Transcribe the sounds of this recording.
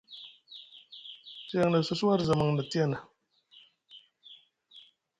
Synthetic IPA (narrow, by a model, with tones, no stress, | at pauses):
t͡ʃe˨ŋnə˨su˦swa˦ɾzə˨ma˨ŋnə˨ti˦e˦˨na˨